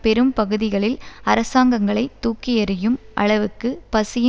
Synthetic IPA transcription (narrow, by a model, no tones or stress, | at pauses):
pɛɾɯmpɐɣɯðɪɣɐɭɪlɐɾɐsaːŋɡɐŋɡɐɭɐɪt̪ːuːkːijɐɾɯjɯmʔɐ̰ɭɐʋɯkːɯpɐsɪjɐ